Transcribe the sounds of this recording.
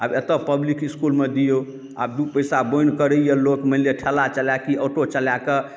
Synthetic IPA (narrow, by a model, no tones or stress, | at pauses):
abet̪əpəblikiskulmed̪ijo | a̰b̚d̪upəjsabojnkəɾəijəlokməleʈʰɛlat͡ʃəlakiəʈot͡ʃəlake